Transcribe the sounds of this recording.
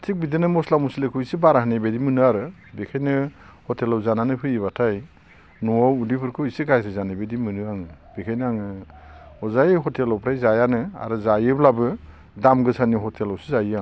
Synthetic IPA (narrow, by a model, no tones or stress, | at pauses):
tʰik̚bidinɯmɔslamusilekʰɯwisibaɾaɦɯnebedimɯnɯaɾɯ | bekʰajnɯhɔtʰelawzananɯpʰɯiβatʰaj | nuawudipʰɯɾkʰɯisiɡajsʰɯzanabedimɯnɯaŋɯb̥ekʰajnɯaŋɯ | ɔzajɦɔtʰelawpʰɾajzajanɯa̰ɾɯzajɯblabɯ | damɡɯsaniɦɔtʰelawsizaja